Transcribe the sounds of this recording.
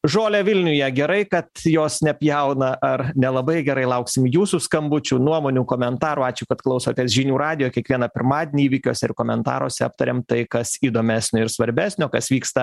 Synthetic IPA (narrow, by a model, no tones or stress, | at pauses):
ʒoːlʲɛʋʲɪlʲnʲʊjɛɡʲɛɾɐɪkɐt̪joːsnʲɛpʲjɛʊnɐʔɐrnʲɛlˠɐbɐɪɡʲɛɾɐɪlˠɐʊksʲɪmjuːsuskɐmbʊt͡ʃʲunuɔmoːnʲuːkoːmʲɛnt̪ɑːɾuːɑːt͡ʃʲʊkɐt̪klˠɐʊsoːt̪ʲeːsʒʲɪnʲuːɾɑːd̪ʲɪjoːkʲɛkʋʲiɛnɐpʲɪɾmɑːd̪ʲenʲːiːʋʲikʲoːsʲɛɪrkoːmʲɛnt̪ɑ̰ːɾo̰ːsʲɛɐp̚t̪ɐɾʲeːmt̪ɐɪkɐsiːd̪oːmʲæːsʲnʲʊɪɾsʋɐɾʲbʲæːsʲnʲoːkɐsʋʲiːkst̪ɐ